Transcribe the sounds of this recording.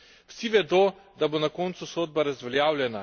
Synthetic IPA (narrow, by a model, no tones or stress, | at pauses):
w̥siʋɛd̪o | d̪abonakɔːnt̪susoːd̪̚baɾazʋɛljaːwlʲjɛna